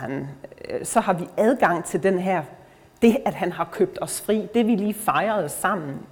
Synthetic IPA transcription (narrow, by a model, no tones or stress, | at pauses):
æn | sɒ̽hɑ̈ʋiæð̞ˠɡ̥ɑ̈ŋ̰t͡sʰe̝ld̥enɦæɐ̰ | d̥e̝æd̥ɦænɦɑ̈kʰøb̥̚d̥ɒ̽sfʁḭːd̥e̝ʋiliːfɑ̈ɪɐð̩ˠsɑ̈m̰n̩